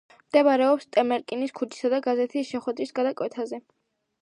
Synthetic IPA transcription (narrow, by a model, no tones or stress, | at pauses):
md̪̥ɛbaɾɛɔpst̪ʼɛmɛɾkʼiniskʰut͡ʃʰi̥sad̪aɡazɛt̪ʰisʃɛχwɛd̪ɾisɡad̪akʼwɛt̪ʰazɛ